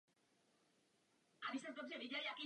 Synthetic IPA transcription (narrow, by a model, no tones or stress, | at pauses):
ʔabismɛpɾot̪ʒɛviɟɛlijakiː